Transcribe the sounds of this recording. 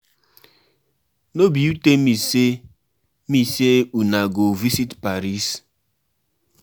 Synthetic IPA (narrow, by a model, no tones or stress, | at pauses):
nobiutemise | miseunaɡovisitpaɾis